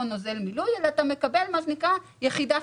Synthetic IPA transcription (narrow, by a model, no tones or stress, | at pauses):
onoze̞lmilujelat̪ame̞kabe̞lmaʃenikʁa | jeχida